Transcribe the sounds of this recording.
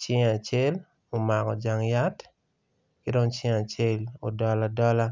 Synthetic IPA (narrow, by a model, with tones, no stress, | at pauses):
t͡ʃɪ˦ŋa˨t͡ʃe˦l | o˨ma˨kɔ˨d͡ʒa˨ŋja˦t | kɪ˦do˦ŋt͡ʃɪ˦ŋa˨t͡ʃe˦˨lo˨dɔ˦la˦dɔ˦la˦